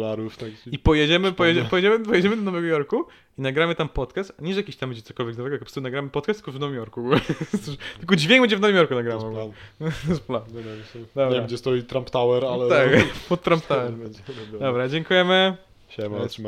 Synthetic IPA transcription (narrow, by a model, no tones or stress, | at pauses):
laɾuft̪akipɔjɛd͡ʑɛmɘpɔjɛd͡ʑɛpɔjɛd͡ʑɛmɘpɔjɛd͡ʑɛmɘd̪ɔnɔvɛɡɔjɔɾku | inaɡɾamɘt̪ampɔt̪kast̪aɲɛʐɛjakʲiɕt̪ambɛd͡ʑɛt̪sɔ̥kɔlvʲɛɡzvɛɡɔt̪kpɾsunaɡɾamɘpɔt̪kast̪ːɨ̥kɔvnɔvɨmʲjɔɾkuɡulɛsut̪ɘlkɔd͡ʑvʲɛ̃ŋɡ̚bɛɲd͡ʑɛvnɔvimʲjɔɾkunaɡɾamvɔɡ | spland̪ɔbɾevʲeamɡd͡ʑɛst̪ɔjit̪ɾampt̪awɛɾalɛt̪akpɔt̪ːɾampt̪awɛɾd̪ɔbɾad͡ʑɛŋkujɛmɘ | ɛt̪m